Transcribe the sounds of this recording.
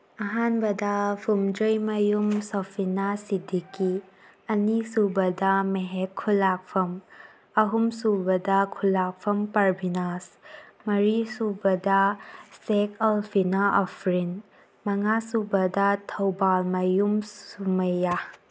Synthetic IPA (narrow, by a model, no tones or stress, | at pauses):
ɐɦanbɐdɐpʰumd͡ʒojmɐjumsɔpʰinasidiki | ɐnisubɐdɐmeɦekʰːulak̚pʰɐm | ɐɦumsubɐdɐkʰulak̚pʰɐmpɐɾbinasmɐɾisubɐdɐsekʰɐlpʰinaʔɔpʰɾin | mɐŋasubɐdɐtʰɐwbalmɐjumsumɐja